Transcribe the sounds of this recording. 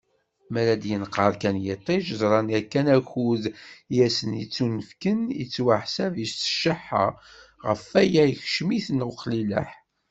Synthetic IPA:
mæɾæd̪jənqɑɾˤkænjɪt̪ˤːiʒəzˤɾˤɑnækːænæxuðjæsənjit͡sːunəfkənḭt͡sːwaħsævistə̥ʃəħːə̰ʁəfæjæjəçʃmiθənwqlilæ̰ħ

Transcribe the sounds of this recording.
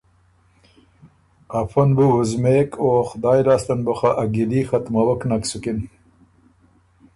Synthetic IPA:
afanbuhʊzmeːkʰoxʊd̪ɑːjɾɑːst̪anbaxaʔaɡilixat̪mawaknaksukin

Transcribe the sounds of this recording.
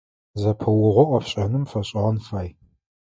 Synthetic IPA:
zɐpʰɐwʊʁʷɔʔʷʼɐpɕʼɐnɨmfɐɕʼɪʁɐnfaːj

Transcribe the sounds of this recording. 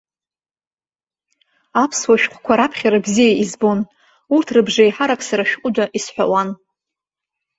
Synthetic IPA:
apʰswaʃᶣqʷʰkʷʰaɾapʰχʲaɾabzijaʔizbo̞n | urtʰrɨbʐajħaɾakʼsaɾaʃᶣqʷʼʊd͡ʒaʔisħʷa̰wan

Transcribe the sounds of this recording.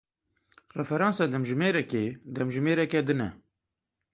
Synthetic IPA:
rɛfɛɾɑːnsɑd̪ɛmʒɨmeːɾɛked̪ɛmʒɨmeːɾɛkɛd̪ɨnɛ

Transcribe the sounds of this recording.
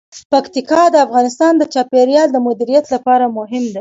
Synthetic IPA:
pakt̪ikɑd̪əafɣɑnɪst̪ɑnd̪ət͡ʃɑpeɾjɑld̪əmʊd̪iɾijat̪lapɑɾamʊɦɪmd̪e

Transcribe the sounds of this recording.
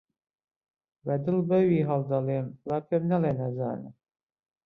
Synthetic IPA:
wɛd̪ɨlbɛwiːɦɑld̪ɑleːmwapemnɛleːnɛza̰ːnɨ̰

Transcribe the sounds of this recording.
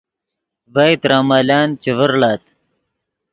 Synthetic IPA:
vajt̪ɾaːmaːlaːnt͡ɕevəɾlaːt̪

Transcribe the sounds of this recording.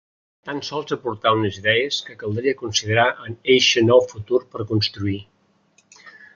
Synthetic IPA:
t̪ansɔlˠzəpuɾt̪aunəziðɛəskəkəlˠd̪ɾiəkunsiðəɾaʔəneʃənɔwfut̪uɾpəɾkunst̪ɾui

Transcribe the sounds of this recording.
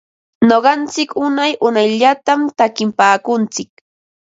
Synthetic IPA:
noɢɑnt͡sɪkʊnajʔʊnajʎat̪amt̪akɪmpaːkʊnt͡sɪk̚

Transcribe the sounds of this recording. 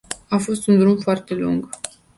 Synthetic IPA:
afo̞st̪und̪ɾumfoart̪e̞lṵŋɡ

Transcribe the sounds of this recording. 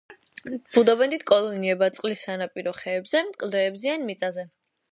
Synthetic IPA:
b̥ud̪ɔbɛnd̪it̪ʰkʼɔlˠɔniɛbat̪sʼqʼlisanapʼiɾɔχɛːbzɛmkʼlˠd̪ɛːbzianmit̪sʼazɛ

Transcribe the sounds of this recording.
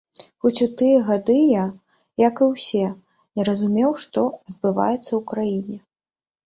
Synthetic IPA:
xɔt͡sʲut̪ɨjɐɣad̪ɨja | jakɨwsʲɛ | nʲɛɾɐzumʲɛwʂt̪ɔɐd̪̚bɨva̰jɛt̪sːɐwkɾajinʲɛ

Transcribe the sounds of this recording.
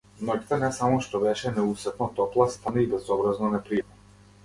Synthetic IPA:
mnɔɟit̪ɛnɛsamɔʃt̪ɔbɛʃɛnɛusɛt̪nɔt̪ɔplˠast̪anaibɛzɔbɾaznɔnɛpɾiɛmɔ

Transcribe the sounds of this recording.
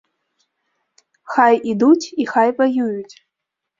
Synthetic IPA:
xajid̪ut͡sʲixajvajujut͡sʲ

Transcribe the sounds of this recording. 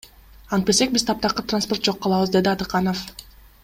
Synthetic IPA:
ɑnt̪̚bese̞k̚bizt̪ʰɑp̚t̪ɑqɯt̪ransport̪̚d͡ʒo̞qːɑlˠɑβɯzd̪e̞d̪iɑd̪ɯqɑnof

